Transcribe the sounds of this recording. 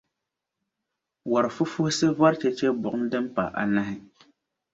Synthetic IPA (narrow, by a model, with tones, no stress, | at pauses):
wa˨ɾɨ˨fu˦fu˦hɪ˦sɨ˦va˦ɾt͡ʃɛ˦t͡ʃɛ˦bʊ˨ʔʊ˦mdɨ˦m˦pa̰˨ʔa̰˨na˦hɪ˦